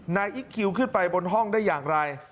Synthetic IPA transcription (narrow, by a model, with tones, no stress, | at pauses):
naː˧jʔi˦˥kʰːi˧wkʰɯ˥˩npa˧jbo˧nɦɔ˥˩ŋdaː˥˩jːaː˨˩ŋɾa˧j